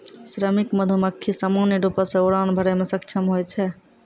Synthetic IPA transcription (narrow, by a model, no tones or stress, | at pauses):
sɾəmikməd̪ʱuməkʰːisamanjəɖupəsẽuɽanbʱəɾɛmesəkt͡ʃʰəmɦojt͡ʃʰɛ